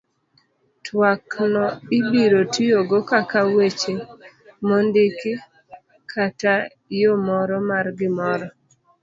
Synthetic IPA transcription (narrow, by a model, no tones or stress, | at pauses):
tʰwaknɔɪbiɾotijoɡokakawet͡ʃe | mɔndɪkɪ | kʰata | jomɔɾɔmarɡɪmɔɾɔ